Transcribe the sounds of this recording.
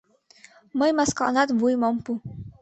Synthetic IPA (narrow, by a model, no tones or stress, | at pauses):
məjmaska̰ʔnat̪vujmɔmpu